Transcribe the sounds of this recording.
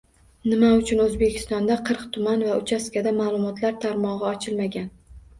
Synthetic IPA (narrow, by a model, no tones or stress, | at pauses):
nɪmaʊt͡ʃʰʊnɵzbe̞kʲʰɪ̥st̪ɒnd̪aqʰɨɾqt̪ʰʊmanvaʊt͡ʃʰaskʲad̪amaːlˠʊmɒt̪ʰlaɾt̪ʰaɾmɒʁɨɒt͡ʃʰɪlmaɡʲan